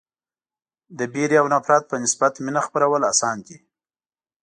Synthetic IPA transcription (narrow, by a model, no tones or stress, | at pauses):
d̪əbeɾiawnapɾɑt̪̚pənɪsbat̪minaxpəɾawəlasɑnke